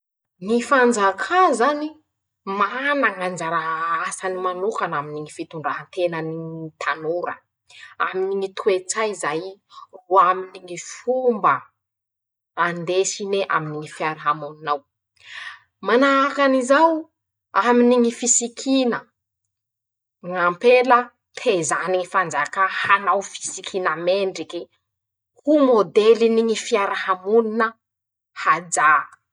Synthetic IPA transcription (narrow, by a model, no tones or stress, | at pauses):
nifand͡zakʰazani | manaŋand͡zaɾaasanimanukanaminiŋifit̪uɳɖ͡ʐaɦənt̪enəniit̪ʰanuɾə̰ | aminiŋit̪ʰuet͡sajzajruaminiŋifumbə | and̪esineʔa̰miniŋifiaɾɦamaminaw | manaakanizaw | aminiŋifisikʰinə | ŋampelə | t̪ʰezaniŋifand͡zakahanawfi̥sikʰinəmeɳɖ͡ʐiki | humod̪eliniŋifiaɾahamuninə | had͡za